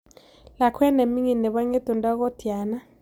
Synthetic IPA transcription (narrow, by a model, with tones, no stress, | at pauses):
la˨kʰwɛ˦ne˨mi˦ŋi˨nɛ˨ɓa˦ŋɛ˦d̥ɔ˨nda˦k̬ɔ˦d̥ʱi˨aː˨na˦